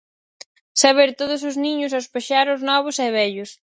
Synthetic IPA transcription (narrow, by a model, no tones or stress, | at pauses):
saβeɾt̪oðʊs̬ʊzniɲʊs̬awspeʃaɾʊznɔβ̞ʊsɛβɛʎʊs